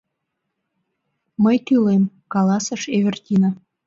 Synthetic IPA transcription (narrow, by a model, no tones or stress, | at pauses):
məjt̪ylem | kɑlɑsɤ̆ʃeβɘ̆rt̪ʲinɑ